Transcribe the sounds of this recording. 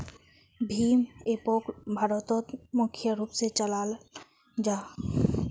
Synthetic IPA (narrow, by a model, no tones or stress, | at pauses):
bʱiːmepoːkbʱaɾɔt̪ot̪mʊkʰjəɾuːpset͡ʃəlaːl | d͡ʒaː